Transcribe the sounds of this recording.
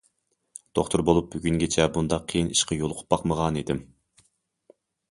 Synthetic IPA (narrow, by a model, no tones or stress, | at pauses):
d̪̥oχt̪ʰuɾbolˠup̚byɡʲyŋɡʲet͡ʃʰɛbund̪ɑqʰːijiniʃqɑjolˠqʰʊ̥p̚bɑqməʁɑnid̪ɪm